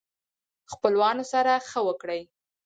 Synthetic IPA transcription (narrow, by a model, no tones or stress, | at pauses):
xpəlwɑnosaɾaxəwəkɽəj